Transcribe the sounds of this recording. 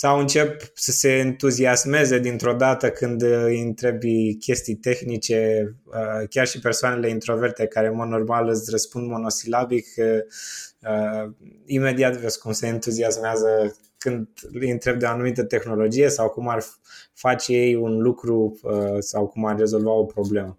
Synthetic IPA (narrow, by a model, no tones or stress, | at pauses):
sawɨnt͡ʃe̞p | səse̞ɨnt̪uziasme̞ze̞d̪int̪ɾo̞d̪at̪əkɨnd̪int̪ɾe̞bjkʲe̞st̪ijt̪e̞xnit͡ʃe̞ | əkʲarʃipersoane̞le̞int̪ɾo̞ve̞rt̪e̞kaɾe̞mod̪no̞rmalɨsʲrəspund̪mo̞no̞silabik | ə | ime̞d̪iat̪veskumse̞ɨnt̪uziasmeazə | kɨnd̪int̪ɾe̞b̚d̪eoanumit̪̬ət̪e̞xno̞lo̞d͡ʒije̞sawkumar | fat͡ʃeje̞junlukɾuəsawkumarːe̞zo̞lvao̞pɾo̞ble̞mə